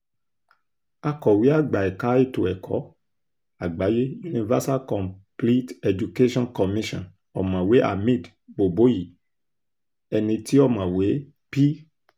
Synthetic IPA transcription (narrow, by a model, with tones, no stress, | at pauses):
a˧kɔ˨wi˨˦a˦˨ɡ͡ba˨ɛ˨ka˨˦i˦˨to˨ɛ˨kʰɔ̰˨˦ | a˨ɡ͡ba˨˦je˦u˦nĩ˧va˦sa˦kɔ̃˨mpli˦tɛ˧d͡ʒu˨ke˦ʃɔ̃˦nkɔ˨mĩ˦ʃɔ̰̃˨n | ɔ˨mã˨we˨˦ʔa̰˨mĩ˦˨d | bo˨bo˨˦ji˨ | ɛ˧nĩ˧ti˦ɔ˦˨mã˨we˨˦ | pi˦